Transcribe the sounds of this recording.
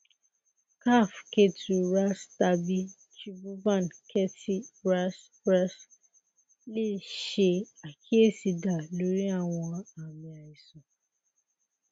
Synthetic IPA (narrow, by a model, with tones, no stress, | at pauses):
ka˦˨fke˦tu˨ɾa˦sta˧bi˦ | t͡ʃi˦bu˦bã˦˨nkʰɛ˦tʰi˦ɾa˦s | ɾɛ˦s | le˦˨ʃe˧a˨kʰi˦e˦˨si˧da˨lo˨˦ɾi˦a˦˨w̃ɔ̃˧a˨mĩ˨a˨i˨sɔ̃˨